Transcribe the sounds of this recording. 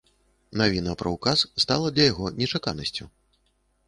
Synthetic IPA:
navʲinɐpɾɐwkasst̪alˠɐd̪lʲɐjaɣɔnʲɛt͡ʂaka̰nɐsʲt͡sʲu

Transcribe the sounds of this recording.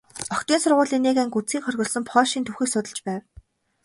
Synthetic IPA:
ɔkt̪iːnsʊrʁʊːɮiːnːeːɣæːŋkut͡siːŋχœrʲɣʲɞ̆ɮsɵ̆mpʰɔːʃiːnt̪ʰuwxiːksʊt̪ə̆t͡ɕpæːw

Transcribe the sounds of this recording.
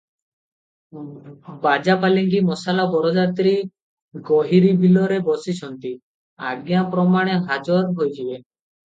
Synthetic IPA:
bad͡ʒapaliŋkimɔsalabɔɾɔd͡ʒat̪ɾi | ɡɔɦiɾibʱilɔɾebɔsit͡ʃʰɔnt̪i | a̰ɡjapɾɔmaɽ̃eɦad͡ʒɔɾɦojt͡ʃʰibe

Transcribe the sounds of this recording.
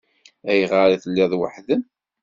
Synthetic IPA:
æjʁəɾiθəlːiðwa̰ħðən

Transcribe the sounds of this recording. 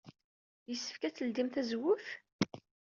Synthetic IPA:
jəsːə̥fkæt͡sːəld̪imθæzwʊθ

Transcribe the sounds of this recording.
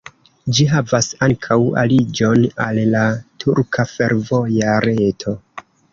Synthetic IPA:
d͡ʒiɦavasaŋkʰawa̰lid͡ʒo̞nalːatʰuɾkʰafe̞ɾvojaɾetʰo̞

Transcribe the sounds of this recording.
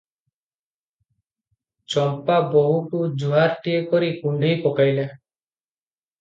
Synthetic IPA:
t͡ʃɔmpabɔɦuʈud͡ʒuɦaɾʈiekɔɾikuɳɖʱijpɔkajla

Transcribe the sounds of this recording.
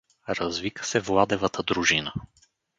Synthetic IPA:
ɾɐzvikə̥sɛvlˠad̪ɛvət̪əd̪ɾuʒinə

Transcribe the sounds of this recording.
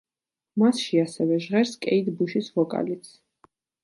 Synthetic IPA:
masʃiasɛvɛʒʁɛɾskʼɛ̰id̪buʃisvɔkʼa̰lit̪sʰ

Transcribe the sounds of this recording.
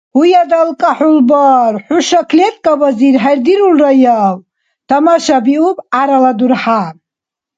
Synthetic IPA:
hujad̪alkʼaħulbaɾħuʃakʰlɛt̪ʼkʼabaziɾɦaɾd̪iɾulɾajaw | d̪̥amaʃabiubaɾalad̪uɾħa

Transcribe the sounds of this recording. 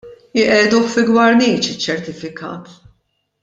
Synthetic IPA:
ɪʔɛːd̪uħfɪɡwɐɾniːt͡ʃɪt͡ʃːɛɾt̪ɪfɪkɐ̰ːt̪

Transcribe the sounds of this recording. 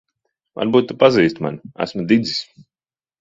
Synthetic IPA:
va̰ɾbuːt̪ːupaziːst̪ma̰næ̰smud̪id̪zi̥sʲ

